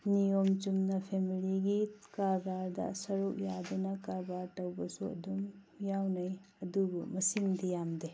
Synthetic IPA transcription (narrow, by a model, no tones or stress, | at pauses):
nijomt͡ʃumnɐpʰemiliɡikaɾbaɾdɐ̰sɐɾuk̚jadunɐkaɾbaɾtɐwbɐsuɐ̰dum | jawnɐjɐdubumɐsiŋdijamde